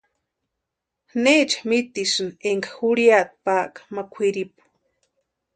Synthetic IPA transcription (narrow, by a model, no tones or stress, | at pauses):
net͡ʃamit̪isɨneŋkḁxuɾjat̪̚paːʔkḁmakʷʰiɾipu̥